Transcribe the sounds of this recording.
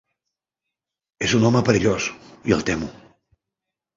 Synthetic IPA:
ezunɔməpəɾiʎosiə̰lˠt̪ɛmu

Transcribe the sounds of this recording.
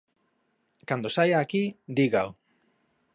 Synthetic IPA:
kand̪osajaːkid̪iɣaw

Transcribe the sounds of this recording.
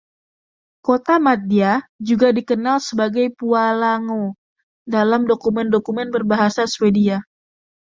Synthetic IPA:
kot̪amat̪̚diad͡ʒuɡadikənalsəbaɡajpualaŋo | dalamdokumɛndokumɛnbərbaɦasaswedia

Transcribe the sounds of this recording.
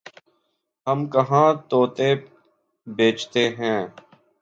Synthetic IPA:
həmkəɦãːt̪oːt̪e | beːt͡ʃt̪eːɦɛ̃ː

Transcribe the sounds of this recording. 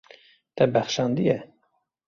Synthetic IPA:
t̪ɛbæxʃɑːnd̪ijɛ

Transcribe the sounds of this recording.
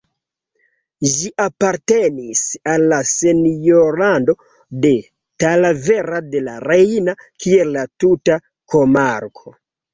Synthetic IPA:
ʒiʔapaɾtenisalːasenjoɾando̞ | de̞ | talave̞ɾade̞la̰ɾejnakʰielːatuta | ko̞maɾkʰo̞

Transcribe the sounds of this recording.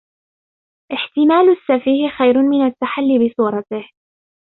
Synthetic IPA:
ʔɪħt̪ɪmaːlasːafiːhxajɾmɪnat̪ːaħalːibɪsˤuːɾˤɑt̪ɪh

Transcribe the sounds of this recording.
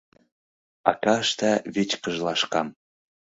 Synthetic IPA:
ɑ̰kɑʃt̪æβet͡ɕkɤ̆ʒlˠɑʃkɑm

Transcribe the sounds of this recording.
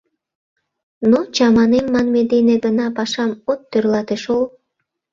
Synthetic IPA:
not͡ɕɑmɑnemːɑnmed̪eneɡənɑpɑʃɑmot̪ːørlɑt̪eʃol

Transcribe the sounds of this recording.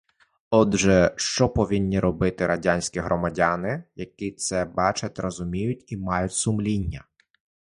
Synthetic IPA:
ɔd̪ʒɛʃt͡ʃɔpɔʋʲinʲːiɾɔbɪt̪ɪɾɐdʲanʲsʲkʲiɦɾʔɔmɐdʲɑnɪjɐkit̪sɛbɑt͡ʃɐtʲrɔzʊmʲijʊtʲimɑjʊtʲsʊmlʲinʲːɐ

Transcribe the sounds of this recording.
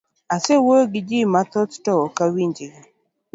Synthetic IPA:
asewoɡɪd͡ʒimat̪ɔttɔkawiɲd͡ʒɪɡ

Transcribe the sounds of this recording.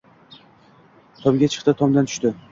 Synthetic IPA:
t̪ʰɒmɡʲat͡ʃʰɨ̥qt̪ɪt̪ʰɒmd̪ant̪ʰʊ̥ʃt̪ɪ

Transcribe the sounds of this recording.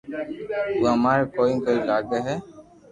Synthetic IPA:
t̪uamaːɾkoːĩːkoːilaːɡeɦɛː

